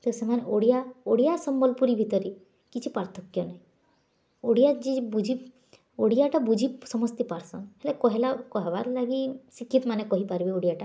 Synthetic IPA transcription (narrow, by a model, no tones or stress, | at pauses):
t̪esemaneʔoɽijaoɽijasɔmbɔlpuɾibʱit̪ɔɾi | kit͡ʃʰipaɾt̪ʰɔkjɔnaĩ | oɽijad͡ʒibud͡ʒʱi | oɽijaʈabud͡ʒʱisɔmɔst̪ipaɾsɔ̰nɦelekɔɦelakɔɦebaɾlaɡisikʰːit̪manekɔɦipaɾbioɽijaʈa